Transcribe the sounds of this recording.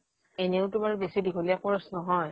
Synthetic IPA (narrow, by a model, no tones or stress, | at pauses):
enɛʊtʊmaɹubesidikʰolijakɔɹɔsnɔɦɔj